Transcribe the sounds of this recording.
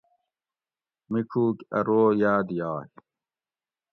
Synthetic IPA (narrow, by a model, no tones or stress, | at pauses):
mikʰuːkɐ̰ɾoːjaːd̪jaːj